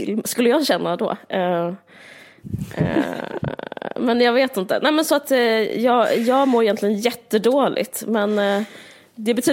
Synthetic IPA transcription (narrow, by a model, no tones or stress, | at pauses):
skɵlːəjɑːɡɕɛnːad̪ɔ̰ːɛ | mɛnjɑːɡveːt̪ɪnt̪ə̰nɛɪmɛnsɔat̪jɑːɡjɑːɡmoːɾɪjɛnt̪lɪɡənjɛt̪ːəd̪oːlʔɪ̰t̪mɛn | d̪ɛbɛt̪ʰyː